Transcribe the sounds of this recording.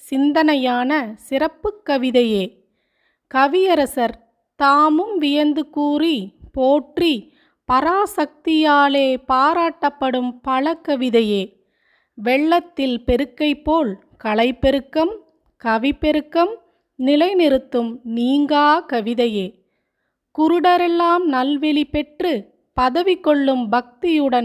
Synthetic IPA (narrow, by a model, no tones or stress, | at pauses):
sɪnd̪ɐnɐjaːnɐsɪɾɐpːɯkːɐʋɪðɐjeː | kɐʋɪjɐɾɐsɐɾ | t̪aːmɯmʋɪjɐnd̪ɯkuːripoːʈri | pɐɾaːsɐk̚t̪ɪjaːleːpaːɾaːʈːɐpːɐɽɯmpɐɭɐkːɐʋɪðɐjeː | ʋɛɭːɐt̪ːɪlpɛɾɯkːɐɪpːoːl | kɐɭɐɪpːɛɾɯkːɐm | kɐʋɪpːɛɾɯkːɐm | nɪlɐɪnɪɾɯt̪ːɯmniːŋɡaːkɐʋɪðɐjeː | kʊɾɯɽɐɾɛlːaːmnɐlʋɛɭipɛʈrɯ | pɐðɐʋɪkːɔɭːɯmbɐk̚t̪ɪjɯɽɐn